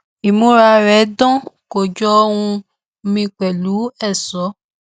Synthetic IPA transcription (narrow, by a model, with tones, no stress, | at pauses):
i˨mũ˨˦ɾa˧˨ɾɛ˨˦dɔ̃˦ko˨d͡ʒɔ˧˦˧hũ˧ | mĩ˧k͡pɛ˨lu˨˦ɛ˦˨sɔ˨˦